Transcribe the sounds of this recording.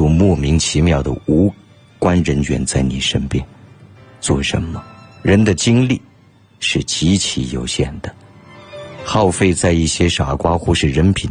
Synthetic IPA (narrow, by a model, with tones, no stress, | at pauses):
u˥˩mwɔ˥˩mi˧˥ŋt͡ɕʰi˧˥mjɑ˥˩ʊd̪ə̰˩u˧˥ | kwa˥nɻə˧˥nt͡ɕʰɥɛ̰˧˥nt͡sa˥˩ɪni˨˩ʂə˥npjɛ˥nt͡swɔ˥˩ʂə̰˧˥nmə˧ɻə˧˥nd̪ə˧t͡ɕi˥ŋli˥˩ | ʂɻ̩˥˩t͡ɕi˧˥t͡ɕʰi˧˥jo˨˩ʊɕjɛ̰˥˩nd̪ə˩ | xɑ˥˧ʊfe˥˧ɪt͡sa˥˧ɪi˥˩ɕjɛ˥ʂa˨˩kwa˥xu˥˧ʂɻ̩˥˩ɻə˧˥npʰi˨˩n